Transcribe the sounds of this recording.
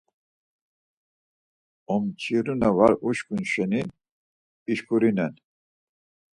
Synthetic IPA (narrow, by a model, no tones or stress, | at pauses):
ɔmt͡ʃʰiɾunavaɾuʃkʰʼunʃɛni | iʃkʰʼuɾinɛn